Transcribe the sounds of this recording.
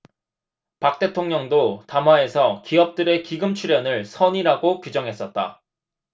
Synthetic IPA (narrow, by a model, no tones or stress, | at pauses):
pak̚t͈e̞tʰoŋɲʌŋdotamwae̞sʰʌkiʌp̚t͈ɯɾe̞kiɡɯmt͡ɕʰuɾjʌnɯɭsʰʌɲiɾaɡokud͡ʑʌŋɦe̞s͈ʌt̚t͈a̰